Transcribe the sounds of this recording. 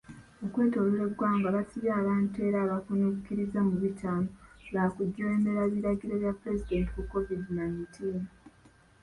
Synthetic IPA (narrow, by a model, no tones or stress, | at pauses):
okwe̞ːto̞luɾe̞βɡaːŋɡaβasiβjaːβaːntue̞ɾaːβakunukukiɾizamuβitaːnoβaːkuɟːoeːmbe̞ɾaβiɾaɡiɾeβjapuɾe̞zide̞ːntiwukːo̞vidinaitʰiːn